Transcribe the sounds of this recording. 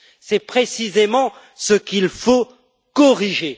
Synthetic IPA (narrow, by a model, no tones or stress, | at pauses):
sɛpχesizemɑ̃ | səkilfo | kɔʁiʒe